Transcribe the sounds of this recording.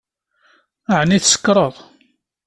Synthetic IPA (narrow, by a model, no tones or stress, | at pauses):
əʕniθsə̥kːɾˤəðˤ